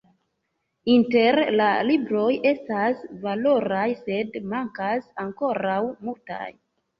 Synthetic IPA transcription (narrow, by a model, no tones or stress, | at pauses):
inte̞ɾlalibɾo̞jʔe̞stasvalo̞ɾajse̞dmaŋkasaŋko̞ɾawmulta̰j